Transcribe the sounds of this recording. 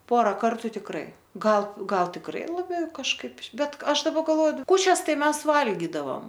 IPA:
ˈpoːrɐ ˈkɐrtʊ tʲɪkˈrɐɪ ˈɡɐlˠ ˈɡɐlˠ tʲɪkˈrɐɪ lˠɐˈbʲɛʊ kɐʃˈkɐɪp ˈbʲɛt ˈɐʃ dɐˈbɐ ɡɐlˠˈʋoːjʊ ˈkuːt͡ʃʲɛs ˈtɐɪ ˈmʲɛs ˈʋɐlʲɡʲɪdɐʋɐm

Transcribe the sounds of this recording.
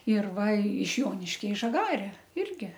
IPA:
ɪr ˈʋɐ ɪʃ ˈjoːnʲɪʃʲkʲɛ ɪ ʒɐˈɡɑːrʲɛ ˈɪrʲɡʲɪ

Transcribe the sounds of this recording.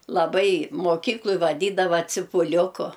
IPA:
lˠɐˈbɐɪ moːˈkʲiːklˠoːj ʋɐˈdʲiːdɐʋɐ t͡sʲɪpʊˈlʲʊkʊ

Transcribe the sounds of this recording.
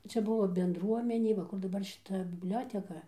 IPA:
ˈt͡ʃʲɛ ˈbʊʋoː bʲɛndˈruɔmʲɛnʲeː ʋɐ ˈkʊr dɐˈbɐr ʃʲɪˈtɐ bʲɪbʲˈlʲoːtʲɛkɐ

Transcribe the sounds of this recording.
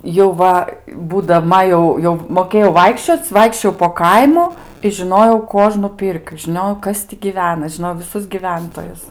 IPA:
jɛʊ ˈʋɐ buːdɐˈmɐ jɛʊ jɛʊ moːˈkʲeːjɛʊ ˈʋɐɪkʃʲt͡ʃʲoːt͡sʲ ˈʋɐɪkʃʲt͡ʃʲoːjɛʊ poː ˈkɐɪmʊ ɪ ʒʲɪˈnoːjɛʊ ˈkuɔʒnʊ ˈpʲɪrʲkʲʊ ʒʲɪˈnʲoːjɛʊ ˈkɐs tʲɪ ɡʲɪˈʋʲæːnɐ ʒʲɪˈnoːjɛʊ ʋʲɪˈsʊs ɡʲɪˈʋʲɛntoːjʊs

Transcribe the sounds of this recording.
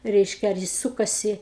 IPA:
ˈrʲɛɪʃʲkʲɛ ɐr ˈjɪs ˈsuːkɐsʲɪ

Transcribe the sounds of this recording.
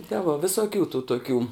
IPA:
tʲɛ ʋoː ʋʲɪsoːˈkʲuː tuː toːˈkʲuː

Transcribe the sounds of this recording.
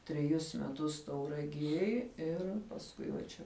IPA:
tʲrʲɛˈjʊs mʲɛˈtʊs tɐʊrɐˈɡʲiɛj ˈɪr pɐsˈkʊɪ ʋɐ ˈt͡ʃʲɛ

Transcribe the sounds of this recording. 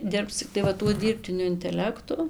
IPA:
ˈdʲɪrps t͡sʲɪkˈtɐɪ ʋɐ ˈtuɔ ˈdʲiːrʲpʲtʲɪnʲʊ ɪnʲtʲɛˈlʲæːktʊ

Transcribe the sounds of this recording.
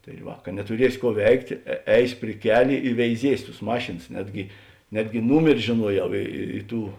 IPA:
tɐɪ ˈʋɐ kɐ nʲɛtʊˈrʲiɛsʲɪ ˈkuɔ ˈʋʲɛɪktʲeː ˈɛɪsʲ pʲrʲɪ ˈkʲæːlʲeː ɪ ʋʲɛɪˈzʲiɛsʲʊ tʊs ˈmɑːʃʲeːns ˈnʲæːdʲɡʲɪ ˈnʲæːdʲɡʲɪ ˈnuːmʲɛrʲɪ ʒʲeːˈnuɔˌjɛʊ ɪ ɪ ˈtuː

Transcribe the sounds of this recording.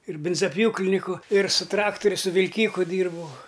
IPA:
ɪr ˈbʲɪnzɐˈpʲjuːklʲɪnʲɪkʊ ɪr sʊ ˈtrɑːktʊrʲʊ sʊ ʋʲɪlʲˈkʲiːkʊ ˈdʲiːrbɐʊ

